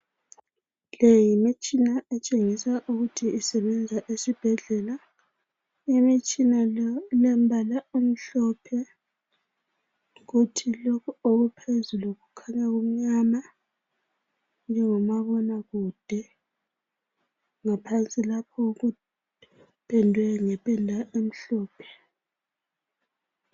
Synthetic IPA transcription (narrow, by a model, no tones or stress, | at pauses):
lejimit͡ʃʼinaʔɛt͡ʃʼeŋisaʔuɣutʰiːsɛβɛnd͡zʱaʔesib̥ʱɛɮɛla | imit͡ʃʼinalɛm̩bʱalaum̩ɬɔpʰɛ | ɣutʰilokʰuoɣupʰezuluɣukʰaɲaɣum̩ɲama | nd͡ʒʱɛŋɔmaβɔnaɣuːd̥ʱɛ | ŋapʰant͡sʼilapʰɔɣu | pʰʼɛndʱwɛŋɛpʼɛndʱaʔem̩ɬɔːpʰɛ̥